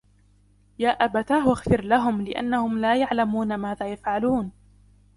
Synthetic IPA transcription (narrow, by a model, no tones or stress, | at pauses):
jaːʔabat̪aːhwaɣfɪɾlaɦʊmlɪʔa̰nːahʊmlaːjaʕlamuːnamaːðaːjafʕaluːn